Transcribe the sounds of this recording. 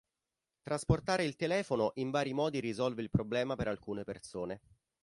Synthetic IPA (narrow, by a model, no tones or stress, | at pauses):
t̪ɾasport̪aːɾeilt̪elɛːfonoʔiɱvaːɾimɔːd̪iɾizɔlveilpɾoblɛːmapeɾalkuːnepersoːne